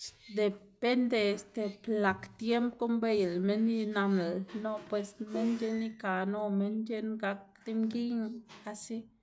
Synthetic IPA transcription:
d̪e˨pe˦nd̪eː˧st̪e˨pla˨kt̪je˦mpko˦mbe˧jlme˦ni˦na˧mla˨lno˦pwe˧sme˦nd͡ʒe˦ni˦ka˨no˦me˦nd͡ʒe˦nɡa˧k̚d̪i˦mɡi˦ɲ˧a˧si˦

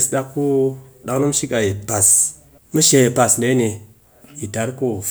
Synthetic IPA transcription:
sɗa˧kːu˦ɗa˨knu˦m˦ʃi˦ka˨je˨pa˨s | mu˦ʃe˨˦je˨pa˨snde˨˦ne˨ | ji˨ta˨˦ɾku˦f

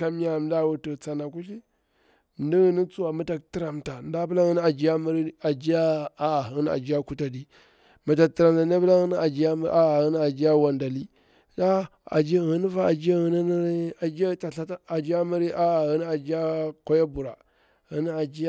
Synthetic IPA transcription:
ka˦m˦a˦˨m˨˦da˦wu˦tə˨t͡sa˨na˨ku˦ɬi˦ | m˨di˦ɣə˦ni˦t͡su˦wa˨ma˦ta˨k̚ti˦ɾa˨mta˨n˦da˦bla˦ɣə˦n˦a˨d͡ʒi˦a˦mə˦ɾi˦a˨d͡ʒi˦ja˦a˦a˨ə˦n˦a̰˨d͡ʒi˦ja˦ku˦ta˨di˨ | mə˨ta˨ti˨ɾa˨mta˨n˦a˦bə˦la˦ɣə˦n˦a˨d͡ʒi˦ja˦m˦a˦˨ɣə˦n˦a˨d͡ʒi˦ja˦wa˨nda˨li˦ | da˦ | a̰˨d͡ʒi˦a˦ɣə˦ni˦va˦a˨d͡ʒi˦a˦ɣə˨ni˦a˨d͡ʒi˦a˦ta˨ɬa˦ta˦a˨d͡ʒi˦ja˦mə˦ɾi˦ʔa˦˨ɣə˦n˦a˨d͡ʒi˦ja˦ka˦ja˦bu˨ɾa˨ | ɣə˦ni˦a˨d͡ʒi˦ja˦

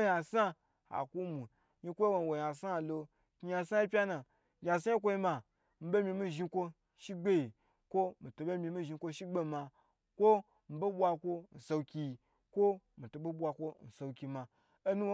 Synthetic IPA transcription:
ja˨sa˦ | ha̰˨ku˦mu˨ | ɲi˧kʷo˦wo˧n˨wo˨ja˨sa˦˨lo˧ | ki˧ja˧sa˦ji˦pʲa˦na˨ | ɡʲa˨s̬a˦i˦k̬ʷo˧ji˧ma˨ | m̩˦be˦mʲi˧mi˦ʒi˧kʷo˧ | ʃi˦ɡ͡be˦ji˨ | kʷo˦mi˨to˨be˦mʲi˧mi˦ʒi˧˦kʷo˧ʃi˦ɡ͡be˦ma˧ | kʷo˦ | m̩˨be˦bʷa˧kʷo˧n̩˨so˧wkʲi˧˨ | kʷo˦ | mi˨to˨be˦bʷa˧kʷo˦n̩˨so˧wkʲi˧ma˧ | e˦nu˦w

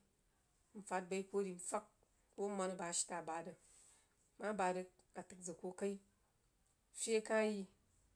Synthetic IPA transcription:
m̩˨fa˦t̚ba˧i˦ko˦ɾi˨m̩˦fa˦k̚ | ko˦ma˧˦n˨ba˨˦ʃi̥˦ta˨ba˨dɐ˨ | ma˦ba˧dɐ˧ | a˨tɨ˨k̚d͡zɨ˨ko˧ka˦i˦˨ | fʲi˦e˦ka˦ji˦

